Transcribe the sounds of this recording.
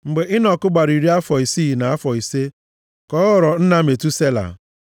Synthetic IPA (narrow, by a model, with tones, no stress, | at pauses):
ŋ͡m̩˨ɡ͡be˨ɪ˦nɔ˨kʊ˦ɡ͡ba˨ɾi˨ɾi˦a˦fɔ˨i˨si˦˨na˨a˦fɔ˨i˨se˦ | kɔː˨˦ʊ˨ɾɔ˨n̩˦na˦˨me˨tu˦se˦la̰˨